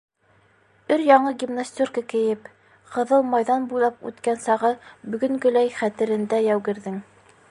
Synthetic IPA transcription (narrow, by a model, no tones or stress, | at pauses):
ɵɾjɑɴɤɡʲimnasʲt̪ʲurkəkɘ̆jɘp | qɤ̆ðɤlˠmɑjðɑnbujlˠɑpʉ̰t̪kænsɑʁɤbɵ̆ɡɵ̆ŋɡɵ̆læjχæt̪ɘ̆ɾɘ̆nd̪æjæwɡɘ̆ɾðɘŋ